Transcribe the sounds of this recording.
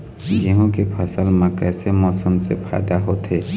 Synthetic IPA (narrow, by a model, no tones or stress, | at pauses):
jeɦõkepʰəsəlmãkɛːsemɔːsəmsepʰa̰ːd̪aɦoːt̪ɦeː